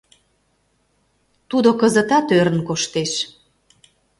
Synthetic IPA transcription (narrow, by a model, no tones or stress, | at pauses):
t̪ud̪okəzə̆t̪ɑt̪øɾə̆nkoʃt̪eʃ